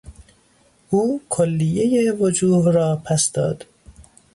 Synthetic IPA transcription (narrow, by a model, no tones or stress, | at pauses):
ʔuːkʰolːijejevod͡ʒuːvɾɒːpʰæsd̪ɒːd̪̥